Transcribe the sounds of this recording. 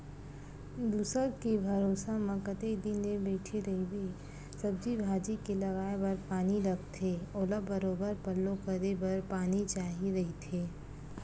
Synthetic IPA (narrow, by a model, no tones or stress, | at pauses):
d̪uːsəɾkibʱɐɾoːsamɐkət̪ed̪inmẽbɛːʈʰeɾɐɦibe | sɐbd͡ʒibʱaːd͡ʒikelɐɡaːebɐɾpaːnilɐɡt̪ʰeːoːlabɐɾoːbəɾpɐllõkɐɾebɐɾpaːnit͡ʃaːɦiɾɐɦit̪ʰeː